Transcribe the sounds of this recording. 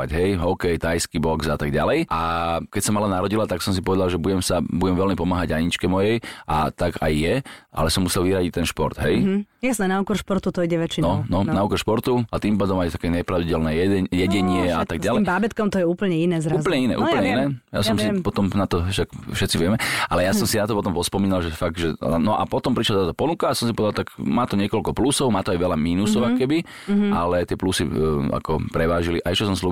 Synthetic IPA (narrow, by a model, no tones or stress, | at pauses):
aɟɦɛjɦɔkɛjt̪ajskibɔɡzat̪aɡɟa̰lɛjʔakɛcsɔmalɛnaɾɔɟilat̪aksɔmsi̥pɔʋɛd̪alʒɛbuɟɛmsabuɟɛmʋɛlmipɔmaːɦaɟaɲit͡ʃkɛmɔjɛjʔa̰t̪aɡa̰jːɛʔa̰lɛsɔmusɛlʋiɾaɟic̚t̪ɛnʃpɔ̰ɾd̪̥ɦɛjjasnɛnaukɔɾʃpɔɾt̪ut̪ɔiɟɛʋɛt͡ʃinɔnɔnaukɔɾʃpɔɾt̪uat̪impaːd̪ɔmajt̪akɛːɲɛpɾaʊiɟɛlnɛjɛjɛɟɛɲɪɛa̰t̪aɡ̚ɟalɛjmbabɛt̪kɔmt̪ɔjɛuːpl̩ɲɛinɛːzɾzpl̩ɲɛinɛ̰ʔṵːpl̩ɲɛinɛɛːja̰sɔmsipɔt̪ɔmnat̪ɔʃakfʃɛt̪t͡siʋɪɛmɛʔalɛjasɔmsinat̪ɔpɔt̪ɔmvɔspɔmiːnalʒɛfaɡ̚d̪ʒɛ̰nɔʔa̰pɔt̪ɔmpɾiʃlad̪at̪apɔnukaasɔmsipɔʋɛd̪alt̪akmaːt̪ɔɲɪɛkɔʎkɔplusɔʊmaːt̪ɔajʋɛʎamiːnusɔʊakɔkɛbi | alɛt̪ɪɛplusḭa̰kɔ̰pɾɛʋaːʒiliʔaɛʃt͡ʃɔsɔmslu